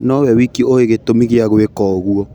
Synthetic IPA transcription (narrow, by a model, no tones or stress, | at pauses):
nɔwɛwikioeɣetomiɣeaɣoekɔɣuɔ